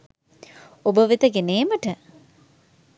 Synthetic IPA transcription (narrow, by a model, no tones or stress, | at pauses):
obəʋit̪əɡeneːməʈə